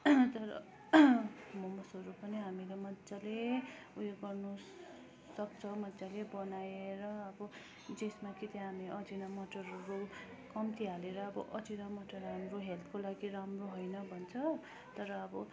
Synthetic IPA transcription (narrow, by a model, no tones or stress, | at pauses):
t̪ʌɾʌ̰ | mʌmʌsʌɾupʌniɦamilemʌt̪t͡sale | ujeɡʌrnu | sʌk̚t͡sʰʌmʌt͡salebʌnajeɾʌʌbʌ | d͡zesmakit̪jɦamieʌd͡zinʌmʌʈʌrɦʌɾu | kʌmt̪iɦaleɾʌːbʌ̰ʔʌd͡zinamʌʈʌrɦamroɦelp̪ʰkolaɡiɾamroɦʌjnʌbʱʌnt͡sʰʌ | t̪ʌɾʌːbʌ